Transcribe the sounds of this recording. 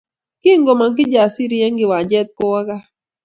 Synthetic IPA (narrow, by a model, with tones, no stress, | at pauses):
kɪ˦ŋɡo˨ma˨ŋk̬ɪ˦d͡ʒa˨si˦ɾi˦ɛ˦ŋɡɪ˨wa˨d͡ʒɛ˦t̪̚ko˦wa˦ɡa˦